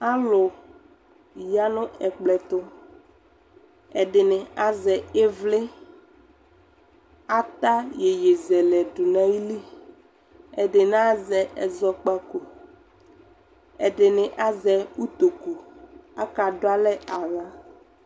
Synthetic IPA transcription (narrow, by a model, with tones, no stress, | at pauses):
a˦lʊ˨ | ja˦nʊ̃˦ɛ˨k͡plɛ˨t̪ʊ˦ | ɛ˨dɪ˨nɪ˨a˦zɛ˨e˦vlɪ˦ | a˦t̪a˦je˨je˨zɛ˨lɛ˨dʊ˨nã˨i˦li˦ | ɛ˨dɪ˨nã˦zɛ˨ʔɛ˨zɔ˦k͡pa˦ko˨ | ɛ˨ɖɪ˨nɪ˨ʔa˦zɛ˨u˦t̪o˨ku˨a˦ka˨dʊ˦a˦lɛ˦a˨ŋã˦